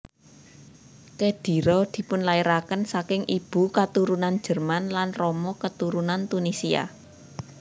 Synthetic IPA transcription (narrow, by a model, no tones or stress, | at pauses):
t͡ʃed̪̥i̤ɾɔd̪̥i̤pʊnlaiɾakənsakɪŋʔib̥ṳkat̪uɾunan̥ʒ̥ə̤rmanlanrɔmɔkət̪uɾunant̪unisia̰